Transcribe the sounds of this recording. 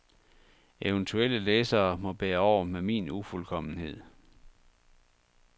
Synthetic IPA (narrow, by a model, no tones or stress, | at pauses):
eʊənt͡sʰuel̰əleːsɐːmɒ̽b̥eːɐɒʊ̰ɐmemḭːnufulkʰɒ̽m̰n̩he̝ð̞̰ˠ